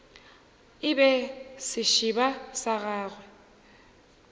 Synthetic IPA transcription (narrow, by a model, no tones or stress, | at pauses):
ɪbɛsɪʃibasaɣaːɣwɛ